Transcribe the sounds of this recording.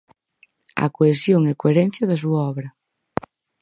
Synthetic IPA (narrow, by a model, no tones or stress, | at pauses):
ɐ̰koesjoŋekoeɾɛn̟θjɐðɐs̬uaɔβɾɐ